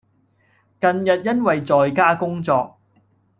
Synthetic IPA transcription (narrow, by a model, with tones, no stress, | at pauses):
kɐ˨njɐ˨t̚jɐ˥nwɐ˨jt͡sɔː˨jkaː˥kʊ˥ŋt͡sɔː˧k̚